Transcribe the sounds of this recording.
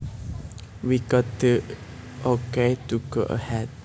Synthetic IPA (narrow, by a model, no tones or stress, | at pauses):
wiɡɔt̚dəʔoketuɡoʔə̰hɛd̚